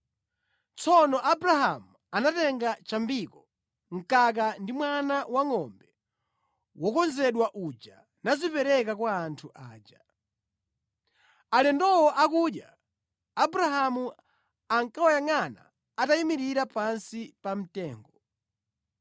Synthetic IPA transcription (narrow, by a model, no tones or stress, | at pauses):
t͡sʰɔnɔʔabɾaɦamu | anatɛŋɡat͡ʃambikɔ | ŋ̩kak̬andimwanawaŋɔmbɛ | wɔkɔnzɛɗwaʔud͡ʒa | nazipɛɾɛk̬akwaːntʰuʔaːd͡ʒa | alɛndɔwɔʔakuɗja | abɾaɦamu | aŋkawajaŋana̰ː | taimiɾiɾapansipam̩tɛːŋɡɔ